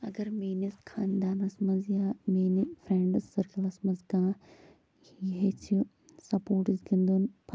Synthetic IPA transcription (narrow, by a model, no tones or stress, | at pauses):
ɐɡɐɾmeːniskʰaːnd̪aːnɐsmɐzjaːmeːnifʰɾeːɳɖɨsːɐɾkɐlɐsmɐzɡãː | jiɦet͡ʃʰi | sɐpoːɾʈizɡind̪unpʰɐ